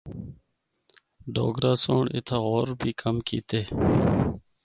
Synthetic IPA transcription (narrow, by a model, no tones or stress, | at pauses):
ɖo̰ːɡɾaːsoːɳʔɪ̰t̪ʰaːɣoːɾbʱiːkəmkḭːt̪eː